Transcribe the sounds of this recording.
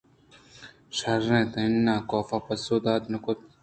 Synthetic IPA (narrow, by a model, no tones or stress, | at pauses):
ʃɐɾːẽːt̪ɐ̃ɪnːaːkoːfaːpɐsoːd̪aːd̪nɐkot̪̚